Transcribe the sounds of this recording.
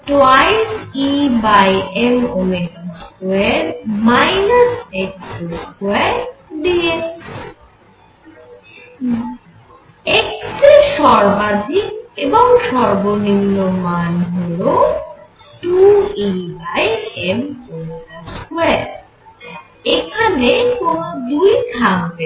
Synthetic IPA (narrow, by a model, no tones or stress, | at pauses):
ʈajsibajemomeɡaskoeɾmajnasekseskoeɾd̪ie | ekseʃɔɾbad̪ʱikeboŋʃɔɾboninːomanɦolo | ʈuibajemomenaskueɾ | ekʰanekonod̪ujt̪ʰaŋbe